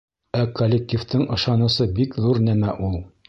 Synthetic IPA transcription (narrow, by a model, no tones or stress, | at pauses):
ækʰolʲːek̚t̪ʲift̪ɤɴʔɤ̆ʃɑnɤ̆sɤbikðuɾnæmæʔulˠ